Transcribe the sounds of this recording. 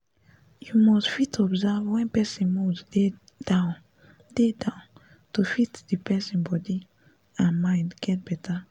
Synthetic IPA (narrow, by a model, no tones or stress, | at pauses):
jumɔstfitɔbzavwɛ̃npɛsĩnmude | dãn | dedãʊ̃n | tufitdipʰɛsĩnbɔdi | ãnmãɪ̃ndɡɛt̚b̥ɛtʰa